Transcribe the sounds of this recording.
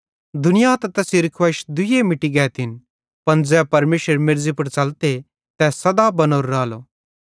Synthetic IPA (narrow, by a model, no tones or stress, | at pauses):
d̪ʊnɪjat̪ɐt̪ɐsiɾɪkʰʋɐʃd̪ʊjemɪʈiɡɛːt̪ɪn | pɐnd͡zɛːpɐɾmeːʃəɾmɪɾzipɐɾt͡ʃɐlt̪e | t̪ɛsɐd̪abɐnoːɾːaːloː